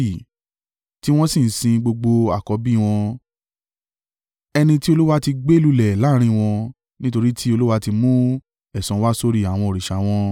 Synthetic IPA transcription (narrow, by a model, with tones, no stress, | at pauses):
i˨ | ti˦w̃ɔ̃˦sĩ˦˨n̩˨˦sĩ˧ɡ͡bo˧ɡ͡bo˧a̰˦˨kɔ˨˦bi˦˧w̃ɔ̃˧ | ɛ˧nĩ˧ti˦o˧lu˦wa˦ti˧ɡ͡be˦lu˦lɛ˨la˨˦ɾ̃ĩ˧w̃ɔ̃˧ | nĩ˦to˧ɾi˦tʰi˦o˧lu˦wa˧ti˧mũ˦ | ɛ˦˨sɔ̃˨˦wa˦so˦ɾi˦˨a˨w̃ɔ̃˧o˨ɾi˨ʃa˨˦w̃ɔ̃˦